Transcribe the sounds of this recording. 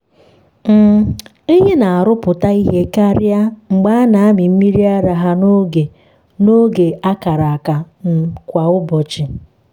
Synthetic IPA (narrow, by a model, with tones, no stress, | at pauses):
m̩˨ | i˦ɦe˦na˨a˨ɾʊ˦pʊ˨ta˦i˦ɦe˦ka˦ɾja˦ŋ͡m̩˨ɡ͡ba˦a˦na˨a˦mɪ˨m̩˦mi˦ɾi˦a˦ɾa˨ɦa˦no˦ɡe˨ | no˦ɡe˨a˦ka˨ɾa˨a˨ka˨ | n̩˨kʷa˨ʊ˦bɔ˨t͡ʃɪ˨